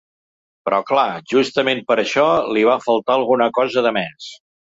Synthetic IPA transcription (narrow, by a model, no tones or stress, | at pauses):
pɾɔklaʒust̪əmempəɾəʃɔliβafəlˠt̪aəlˠɣunəkɔzəðəmɛs